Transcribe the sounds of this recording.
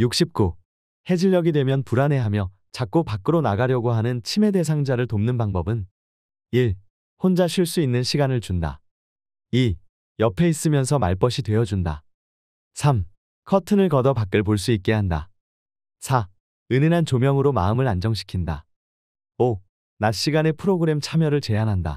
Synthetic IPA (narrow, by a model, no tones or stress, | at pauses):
juk̚ɕ͈ʰip̚k͈u | he̞d͡ʑiʎːʌɡidwe̞mjʌnpuɾane̞ɦamjʌ | t͡ɕak͈opak͈ɯɾonaɡaɾjʌɡoɦanɯnt͡ɕʰime̞de̞sʰaŋd͡ʑaɾɯɭtomnɯnpaŋbʌbɯn | iɭ | hond͡ʑaɕʰiɭs͈uinːɯnɕʰiɡanɯɭt͡ɕunda̰ | i | jʌpʰe̞is͈ɯmjʌnsʰʌmaɭp͈ʌɕʰitwe̞ʌd͡ʑunda̰ | sʰam | kʰʌtʰɯnɯɭkʌdʌpak͈ɯɭp̬oɭs̬͈uit̚k͈e̞ɦanda̰ | sʰa | ɯninɦant͡ɕomjʌŋɯɾomaɯmɯɭand͡ʑʌŋɕʰi̥kʰinda̰ | o | naɕ͈iɡane̞pʰɯɾoɡɯɾe̞mt͡ɕʰamjʌɾɯɭt͡ɕe̞anɦanda̰